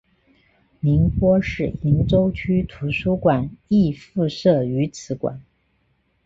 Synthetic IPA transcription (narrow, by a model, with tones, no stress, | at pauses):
ni˧˥ŋpwɔ˥ʂɻ̩˥˩i˧˥nʈ͡ʂo˥ʊt͡ɕʰy˥t̪ʰu˧˥ʂu˥kwa˨˩ni˥˧fu˥˧ʂɤ˥˩y˧˥t͡sʰɹ̩˧˥kwa̰˨˩˦n